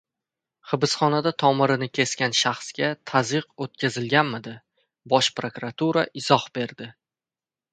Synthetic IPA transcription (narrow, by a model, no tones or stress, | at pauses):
χɨbɪsχɒnad̪at̪ʰɒmɪɾɪnɪkʲʰe̞skʲanʃaχsɡʲat̪ʰazɨqot̪̚kʲazɪlɡʲanmɪd̪ɪ | bɒʃpɾokuɾat̪ʰuɾaʔɪz̥ɒhbe̞ɾd̪ɪ